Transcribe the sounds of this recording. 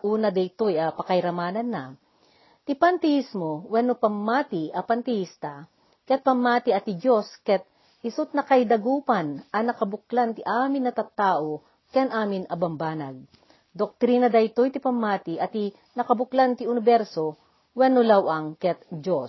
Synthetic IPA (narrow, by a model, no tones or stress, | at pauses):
ʔuːnɐd̪ɐjt̪ojɐpɐkɐjɾɐmaːnɐnːɐ | t̪ɪpɐnt̪ɛismowɛnopɐmːaːt̪ɪɐpɐnt̪ɛist̪ɐ | kɛt̪̚pɐmːaːt̪ɪɐt̪ɪd͡ʒo̞skɛt̪̚ | ɪsʊt̪̚nɐkɐjd̪ɐɡuːpɐnʔɐnɐkɐbʊklant̪ɪʔaːmɪnːɐt̪ɐt̪ːaːʔo | kɛnʔaːmɪnɐbɐmbaːnɐ̰ɡ̚ | d̪ok̚t̪ɾiːnɐd̪ɐjt̪ojt̪ɪpɐmːaːt̪ɪʔɐt̪i | nɐkɐbʊklant̪ɪʊnɪbɛɾso | wɛnolawʔɐŋkɛt̪̚d͡ʒo